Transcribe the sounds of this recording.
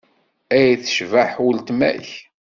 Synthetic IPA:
æjθə̥ʃvaħwəlt̪mæ̰ç

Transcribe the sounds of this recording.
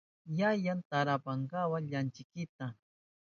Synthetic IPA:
jajant̪aɾapaɴɡawaʎant͡ʃɪkɪt̪a

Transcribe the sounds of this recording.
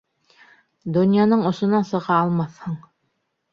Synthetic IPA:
d̪unʲjanɤɴŏsŏnɑnsɤ̆ʁɑːlˠmɑθhɤɴ

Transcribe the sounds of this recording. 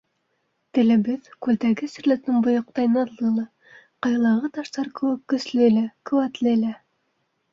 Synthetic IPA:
t̪ɘ̆lɘ̆bɘðkʉlt̪æɡɘsɘ̆ɾlæ̆t̪ɘŋbŏjŏq̚t̪ɑjnɑlˠɤlˠɑ | qɑjlˠɑʁɤt̪ɑʃt̪ɑɾkɘ̆wɘkːɵ̆slɘlækɵ̆wæt̪lɘlæ

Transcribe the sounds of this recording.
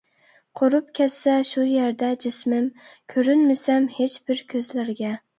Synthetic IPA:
qʰoɾʊp̚kʲasaʃʊjeɾd̪ad͡ʒɪsmɪmkʲʰɵɾɪnmɪsamhet͡ʃb̥ɪɾkʲʰɵzlaɾɡʲæ

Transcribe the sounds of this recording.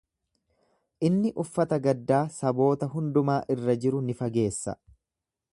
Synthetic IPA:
ʔɪnːɪʔʊfːɐt̪ɐɡɐd̪ːaːsɐbo̞ːt̪ɐɦʊnd̪ʊmaːʔɪrːɐd͡ʒɪɾʊnɪfɐɡe̞ːsːɐ̰

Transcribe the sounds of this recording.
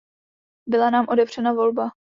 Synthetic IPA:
bɪlanaːmʔo̞dɛvr̝̥ɛnavo̞lba

